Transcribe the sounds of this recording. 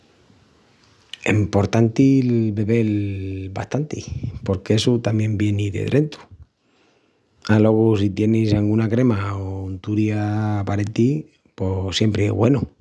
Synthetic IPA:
ḛmpo̞ɾt̪ant̪ilbe̞βe̞lba̰ht̪ant̪ipo̞ɾkeesut̪amjẽ̞mbje̞niðḛðɾʔe̞nt̪u̥ | alo̞ɣusit̪je̞nisaŋɡunakɾe̞maont̪uɾjaːpaɾet̪i | posjempɾeḛβwe̞nu

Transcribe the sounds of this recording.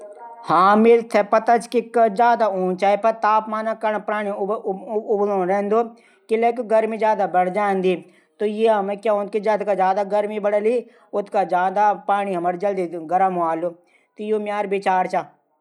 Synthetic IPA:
hãːmɪlt̪ʰepɐt̪ɐt͡ʃkikd͡ʒaːd̪aũːnt͡ʃaːepɐt̪aːpmaːnakɐnpɾaːɽ̃i | ʊblõːɾeːnd̪oː | kɪlekɡɐɾmid͡ʒjaːd̪abɐɽd͡ʒaːnd̪iː | t̪ojeɦɐmẽkjaːõːnt̪kid͡ʒɐt̪kad͡ʒjaːd̪aɡɐɾmibɐɽəli | ʊt̪kad͡ʒaːd̪apaːɽ̃iɦɐməɾd͡ʒɐld̪iɡɐɾəmoaːlo | t̪ijomjaːɾbɪt͡ʃaːɾt͡ʃaː

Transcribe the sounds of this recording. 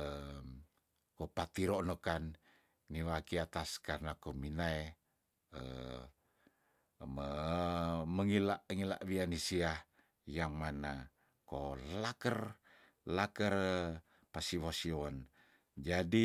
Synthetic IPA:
ə | kopat̪iɾonokanː | iwakiat̪askarnakominae | ə̰ | mə | məŋilaʔŋila̰ʔβianisia | jaŋmana | kolakər | lakər | pasiwosiɔn | d͡ʒadi

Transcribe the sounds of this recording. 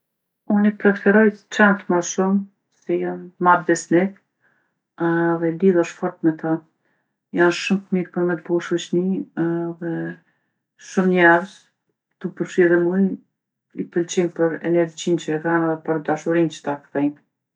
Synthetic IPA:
unipɾɛfɛɾɔjt͡ʃant̪maʃum | sɛjanmaɾd̪ɛsnɛk | aðɛliðɔʃfɔɾt̪mɛt̪ʰa | janʃumtmiɾpəɾmɛt̪̚buʃut͡ʃniðɛ | ʃumɲɛɾz | t̪upəɾʃiðɛmuj | ipəlt͡ɕinpəɾɛ̰nɛɾd͡ʑint͡ʃəɡanðɛpəɾd̪aʃuɾint͡ʃə̥t̪akθɛjn

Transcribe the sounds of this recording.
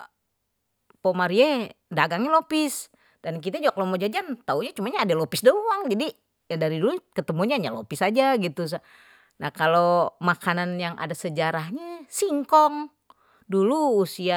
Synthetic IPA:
pomaɾiɛdaɡaŋɲɛlopis | d̥ank̬it̪ad͡ʒuɡakalomod͡ʒad͡ʒant̪auɲat͡ʃumaɲaːdalopɪsdauwaŋd͡ʒadi | daɾidulukət̪əmuɲaɲalopisad͡ʒaɡit̪us̬a | nakalomakananjaŋʔa̰dasəd͡ʒaɾaɦɲasiŋkɔŋ | duluːsia

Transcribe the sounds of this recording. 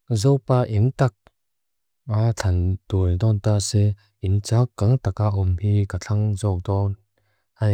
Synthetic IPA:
zɔwpaʔiŋtak̚ | at͡ɬʰantundɔntasɛ | int͡sakːaŋtakaʔɔmhikaɬʰaŋzɔk̚dɔn | ha

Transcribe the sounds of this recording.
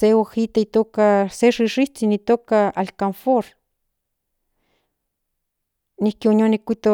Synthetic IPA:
eohit̪ait̪oːkaseʂiʂiht͡sinit̪oːkaalkanfoɾ | nihkiononikːʷit̪o

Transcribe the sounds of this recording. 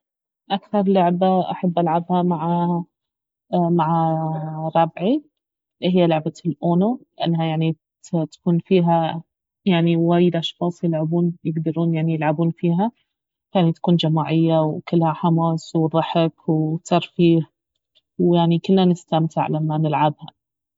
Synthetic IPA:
ʔakθɑɾˤlʊʕbaʔa̰ħabːʔalʕabhamaʕa | maʕaɾˤɑbʕi | ɦɪjːalʊʕbalʔoːnulɪʔanːɦajaʕni | t̪ḁkuːnfiːɦa | jaʕniwaːjɪd̪ʔɑʃxɑːsˤjɪlʕabuːnjɪɡd̪ɑɾˤuːnjaʕnijɪlʕabuːnfiːɦa | fjaʕnit̪ḁkuːnd͡ʒamaːʕɪjːawkɪlːhaħamaːswðˤɑħɪkwt̪ʰɑɾˤfiːh | wjaʕnikɪlːanɪst̪amt̪ɪ̰ʕlamːanɪlʕabha̰

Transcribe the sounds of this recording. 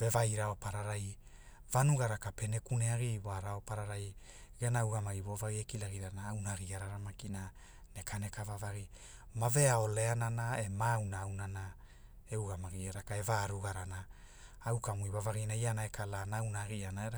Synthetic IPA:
ve̞vajɾao̞paɾaɾaj | vanuɡaɾakape̞ne̞kuneaɡiwaɾao̞paɾaɾaj | ɡenawɡamaɡiβovaɣiekilaɡiɾanaːwnaɡiaɾaɾamakina | ne̞kane̞kavavaɡi | mave̞ao̞le̞ananae̞mawnaːwnana | euɡamaɡiaɾakae̞vaɾuɡaɾanaː | wkamuiβavaɡinaianaekʰalanaawnaɡianaeɾa

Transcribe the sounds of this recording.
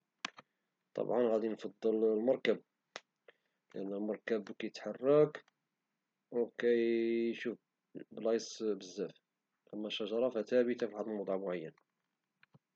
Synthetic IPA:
t̪ˤɑ̰bʕɑnɣæd̪infɑd̪ˤːəllmɑɾˤkæb̚ | lʔənːælmɑɾˤkæbkæjət̪ħɑrˤːɑk | wkæjʃuf | blɑjsˤbəzːæf | ʔæmːæʃːæʒɑɾˤɑfæt̪æbit̪afiħaɑd̪ˤəlwɑd̪ˤʕɑmʊʕajːən

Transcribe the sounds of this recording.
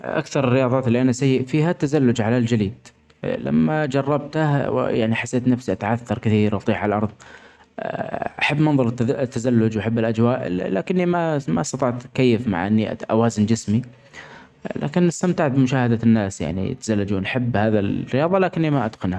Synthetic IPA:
ʔa̰kθɑɾˤɪrːɪjɑːðˤɑːt̪ɪlːiʔanasajːɪʔfiːhat̪ːazalːʊd͡ʒʕalald͡ʒaliːd̪ | la̰mːad͡ʒɑrˤːɑb̚t̪ahw̰ja̰ʕniħasːeːt̪nafsiʔat̪ʕaθːɑɾˤkɪθiːɾwʔɑt̪ˤiːħʕalʔɑɾˤðˤ | ʔaħabːnɑnðˤʊɾt̪ːazalːʊd͡ʒwaħabːɪlʔad͡ʒwaːʔlaːkɪnːimamast̪ɑt̪ˤɑʕt̪kajːɪfma̰ʕʔɪnːiʔʔa̰waːzɪnd͡ʒɪsmi | la̰ːkɪnːɪst̪amt̪aʕbɪmʊʃaːhad̪anːaːsja̰ʕnḭt̪ːḁzalːad͡ʒuːnħabːhaːðarɪjɑːðˤɑlaːkɪnːimaʔad̪qɑnha

